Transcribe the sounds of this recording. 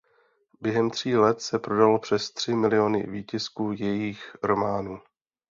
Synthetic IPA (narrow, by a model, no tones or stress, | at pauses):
bjɛɦɛmt̪r̝̥iːlɛt̪sɛpɾo̞dalopr̝̥ɛst̪r̝̥ɪmɪlɪo̞nɪ̰viːcɪskuːjɛjiːxɾo̞maːnuː